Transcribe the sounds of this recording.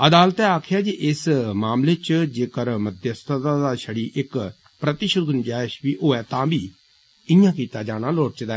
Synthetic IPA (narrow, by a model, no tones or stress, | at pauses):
əd̪aːlət̪ɛːaːkʰjaːd͡ʒiʔɪsmaːmleːt͡ʃd͡ʒeːkəɾmət̪jəst̪t̪ad̪aːʃəɽiːʔɪk | pɾət̪ɪʃəd̪̚ɡʊnd͡ʒaːɪʃʋiːʔoːɛːt̪ãːbiː | ɪjãːkiːt̪aːd͡ʒaːɽ̃aːloːʈt͡ʃd̪a